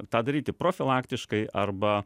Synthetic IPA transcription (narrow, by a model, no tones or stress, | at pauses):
t̪ɑːd̪ɐɾʲiːt̪ʲɪpɾoːfʲɪlˠɑːkt̪ʲɪʃkɐɪʔɐrbɐ